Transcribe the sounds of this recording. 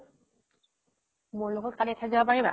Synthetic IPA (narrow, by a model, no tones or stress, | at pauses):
muɹloɡɔt̚kalitʰazabapaɹiba